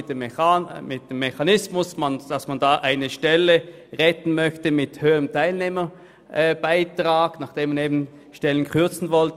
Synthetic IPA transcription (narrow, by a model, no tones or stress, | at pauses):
mɪt̚d̥eːmːeçanɪsmʊsmand̥asmandaːʔaɪnəʃtɛləʁɛtn̩mœçtəmɪthøːəʁəmtʰaɪlneːmə | ʔb̥aɪtʁ̥aːɡ̥naχd̥eːmaneːbn̩ | ʃtɛlənkʰʏɐt͡sn̩vɔlt